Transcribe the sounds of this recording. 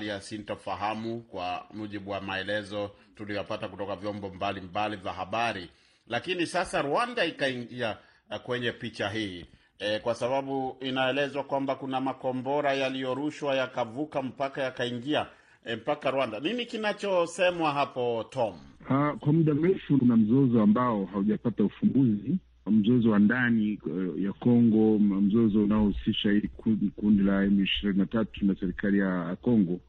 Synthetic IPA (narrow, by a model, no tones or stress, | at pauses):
liasintɔfaɦamukwa̰muʄiɓuwamaɛlɛzɔ | tulijɔpatakutɔkavjɔmbɔmbalimbalivahaɓaɾi | lakinisasaɾuandaikaiŋɡia | kwɛɲɛpit͡ʃaɦiː | kwasaɓaɓuinaɛlɛzwakwambakunamakɔmbɔɾajalijɔɾuʃwajakavukam̩pakajakaiŋɡia | ɛm̩pakaɾwandanimikinat͡ʃɔsɛmwaɦapɔtɔmakwamuɗam̩ɾɛfunam̩zɔzɔambaɔɦauʄapataufumbuzi | m̩zɔzɔwandanijakɔŋɡɔm̩zɔzɔunaɔhusiʃaikundilaɛmuiʃiɾininatatunasɛɾikalijakɔŋɡɔ